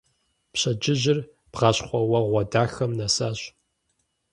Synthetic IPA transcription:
pɕɐd͡ʒɪʑɪr | b̥ʁɑɕχʷɔwɐʁʷɔdaːxɐmnɐsaːɕ

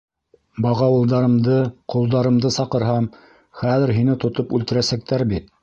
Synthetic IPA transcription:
bɑʁɑwɤ̆lˠd̪ɑɾɤ̆md̪ɤqŏlˠd̪ɑɾɤ̆md̪ɤsɑqɤ̆ɾɦɑm | χæðɘɾɦinɘt̪ŏt̪opʉlt̪ɘ̆ɾæsæk̚t̪æɾbit̪̚

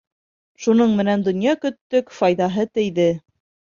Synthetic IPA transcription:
ʃunɤɴmɘ̆nænd̪ŏnjɑkɵ̆t̪ːɵkfɑjðɑɦɤt̪ɘ̆jðɘ

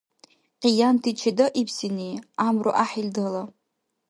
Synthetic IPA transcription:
qʼijantʰit͡ʃʰadɨʔipʰsiniamruʔaħildəla

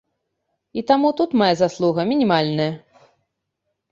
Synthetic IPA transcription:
it̪amut̪ut̪majazaslˠuɣɐmʲinʲimalʲnɐjɐ

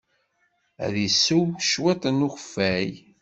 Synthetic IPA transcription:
æ̰ðisːuwʃwit̪ˤnuxəfːæj

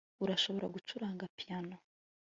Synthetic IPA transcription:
uɾaʃo̞βo̞ɾaɡut͡ʃuɾaːŋɡapiano

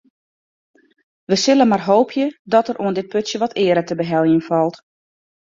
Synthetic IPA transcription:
ʋəsɪlənmarɦoːpʰjədɔtərʔuəndɪt̚pøtsjəʋɔtʰɪəɾətəbəɦɛlˠjənfɔlˠt

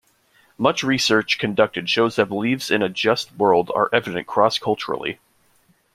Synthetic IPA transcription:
mʌt͡ʃɹisɜ˞t͡ʃkʰɨ̃ndʌk̚tɨd̥ʃoʊzðɨlivz̥ɨ̃nɨd͡ʒʌst̚wɜ˞lˠdə̰˞ʔɛvɨɾɨ̃nkʰɹ̥ɔskʰʌlˠt͡ʃə̰˞l̩ˠḭ

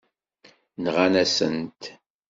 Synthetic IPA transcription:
nʁanæsə̰nt̪

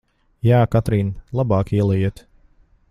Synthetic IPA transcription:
jaːkat̪ɾiːnlˠabɑːkiɛlˠɛjiːt̪

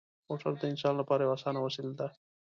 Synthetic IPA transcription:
oʈɐɾd̪eɪnsaːnlapaːɾeaːsaːnawɐsild̪a

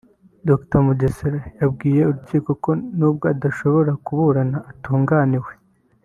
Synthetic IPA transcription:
doktomuɟeseɾajabɡiːje̞uɾuciːko̞ko̞nuːb̚ɡo̞adaʃo̞βo̞ɾakuβuɾanaʔːtuːŋɡaːniwe̞

